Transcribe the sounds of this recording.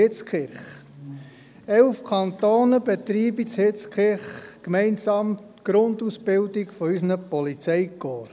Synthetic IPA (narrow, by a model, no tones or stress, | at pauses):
ɪt͡skχɪɾχ | ɛlfkʰɑnt̪oːnəb̥et̪ɾiːbit͡shɪt͡skχɪɾχkmɛɪnsɑːmtɡ̥ɾond̪usb̥ɪldɪɡfɔysnəpɔlit͡sɛɪkoːɾ